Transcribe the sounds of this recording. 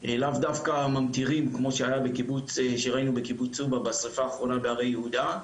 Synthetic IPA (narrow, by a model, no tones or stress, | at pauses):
elavd̪afkamamt̪iʁimkmo̞ʃeajabekibut͡seʃeʁainube̞kibut͡subabasʁifaːχʁo̞nabeaʁejehud̪a